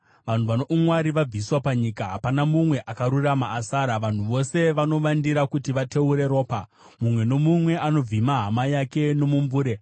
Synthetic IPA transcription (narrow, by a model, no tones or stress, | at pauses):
ʋan̤uʋanoʔumwaɾiʋab͡viswapaɲikaɦapanamumwe̞ʔakaɾuramaːsaːɾaʋan̤uʋo̞se̞ʋano̞ʋandiɾakutiʋate̞uɾe̞ɾo̞ːpa | mumwe̞no̞mumwe̞ʔano̞b͡vimaɦamajake̞no̞muɱvuːɾe̞